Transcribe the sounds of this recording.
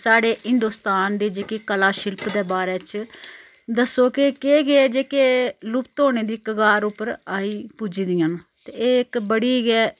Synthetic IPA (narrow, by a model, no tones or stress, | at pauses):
saːɽeːɦɪnd̪uːst̪aːnd̪eːd͡ʒeːkeːkəlaːʃɪlpd̪eːbaːɾeːt͡ʃ | d̪əsoːkɪkeːɡeeːd͡ʒeːkeːlʊpt̪oːneːd̪iːkəɡaːɾʊpəɾaːiːpuːd͡ʒiːd̪iːənt̪eːeːɪkbəɽiːɡɛː